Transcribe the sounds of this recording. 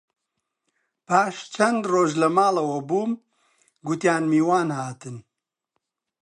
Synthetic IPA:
pʰaːʃt͡ʃʰɐnd̪roːʒlɐmaːlɐwɐbuːm | ɡut̪jaːnmiːwaːnhaːt̪ɨn

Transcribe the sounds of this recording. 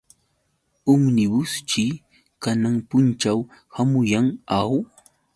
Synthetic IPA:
ʊŋnɪbʊst͡ʃɪ | kanaŋpʊnt͡ʃawhamʊjaŋaw

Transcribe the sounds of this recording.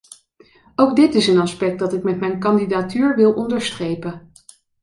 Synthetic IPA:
owɡ̚dɪtɪsənɑspɛk̚dɑtɪkmɛtmɛjnkɑndidaːtyːɹʋɪlˠʔɔndəɹstrejpə

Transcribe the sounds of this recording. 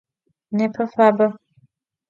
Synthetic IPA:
nɛpʰəfabə

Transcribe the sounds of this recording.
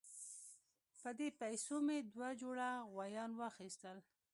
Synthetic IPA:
pəd̪epajsomed̪wad͡ʒoɽaɣwajɑnwaxist̪əl

